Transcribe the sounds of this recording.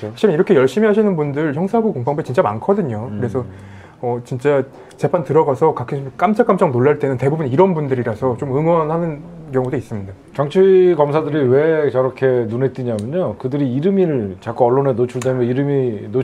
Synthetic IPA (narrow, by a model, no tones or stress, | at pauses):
aɕʰiɾɯniɾʌkʰe̞jʌɭɕ͈imiɦaɕʰinɯnbundɯɭçjʌŋsʰaɡukoŋpaŋbet͡ɕint͡ɕ͈ama̰nkʰʌdɯɲokɯɾe̞sʰʌ | ʌt͡ɕint͡ɕ͈a | t͡ɕe̞pʰantɯɾʌɡasʰʌkakʰisʰk͈amt͡ɕ͈ʰak͈amt͡ɕ͈aŋnoɭːaɭt͈e̞nɯnte̞bubuniɾʌnbundɯɾiɾasʰʌt͡ɕomɯŋwʌnɦanɯnkjʌŋudois͈ɯmɲida | t͡ɕʌŋt͡ɕʰuikʌmsʰadɯɾiwe̞t͡ɕʌɾʌkʰe̞nunet͈̚iɲamjʌɲokɯdɯɾiːɾɯmiɾɭt͡ɕak͈uʌɭːonenot͡ɕʰuɭdemjʌiɾɯmino